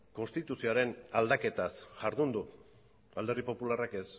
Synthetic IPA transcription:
ko̞nst̪it̪usioaɾe̞nald̪ake̞t̪asʝaɾðund̪u | ald̪e̞ripo̞pularake̞s

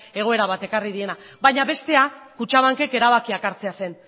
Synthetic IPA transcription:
e̞ɣ̞o̞e̞ɾaβat̪e̞kariðie̞nabajɲaβe̞st̪e̞akut͡ʃaβaŋke̞ke̞ɾaβ̞akiakaɾt͡se̞ase̞n

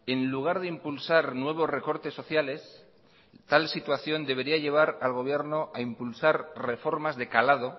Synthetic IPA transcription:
e̞nluɣ̞aɾðeimpulsaɾnwe̞β̞o̞sre̞ko̞ɾt̪e̞sːo̞θjale̞s | t̪alsit̪waθjo̞nd̪e̞β̞e̞ɾiaʎe̞β̞aɾalɣo̞βje̞ɾno̞ʔaimpulsaɾre̞fo̞ɾmazðe̞kalað̞o

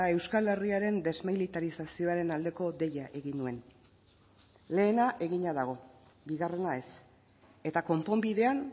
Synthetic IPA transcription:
e̞wskale̞riaɾe̞nd̪e̞zmilit̪aɾisasio̞aɾe̞nald̪e̞ko̞d̪e̞jaʔe̞ɣinue̞n | le̞ːnaʔe̞ɣiɲaðaɣ̞o̞ | biɣare̞nae̞s | e̞t̪ako̞mpo̞mbiðe̞an

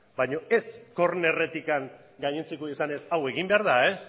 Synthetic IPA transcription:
bajɲo̞e̞sko̞ɾne̞re̞t̪ikaŋ | ɡajɲent͡sekoisane̞sawe̞ɣimbe̞aɾðae

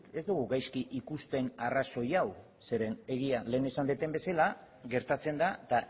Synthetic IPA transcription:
e̞zd̪uɣ̞uɣajskiʔikust̪e̞naraso̞jaw | se̞ɾe̞ne̞ɣiale̞ːne̞sand̪et̪e̞mbe̞sala | ɣe̞ɾt̪at͡se̞nd̪at̪a

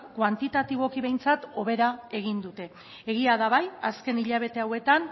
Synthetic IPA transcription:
kwant̪it̪at̪iβo̞kiβe̞jnt͡sat̪o̞β̞e̞ɾae̞ɣ̞ind̪ut̪e̞ː | ɣ̞iaðaβajaske̞niʎaβ̞e̞t̪e̞awe̞t̪an

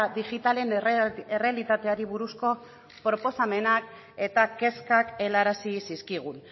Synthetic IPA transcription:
d̪iɣit̪ale̞nere̞alit̪at̪e̞aɾiβ̞uɾusko̞ | pɾopo̞same̞nak̚ | e̞t̪ake̞skake̞laɾasisiskiɣ̞un

